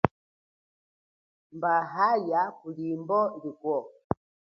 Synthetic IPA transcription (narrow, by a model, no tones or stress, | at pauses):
mbaɦajakulimbɔdikwɔ